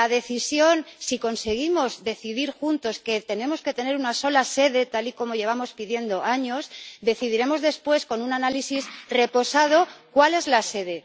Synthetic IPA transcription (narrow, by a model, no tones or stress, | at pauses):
aðe̞θisjo̞nsiko̞nse̞ɣ̞imo̞zðe̞θiðiɾxunt̪o̞ske̞t̪e̞nẽ̞mo̞ske̞t̪e̞ne̞ɾunaso̞lase̞ðe̞t̪aliko̞mo̞ʝe̞β̞amo̞spiðje̞nd̪o̞aɲo̞sd̪e̞θiðiɾe̞mo̞zðe̞spwe̞sko̞nunanalisisre̞po̞sað̞o̞kwale̞zlase̞ðe̞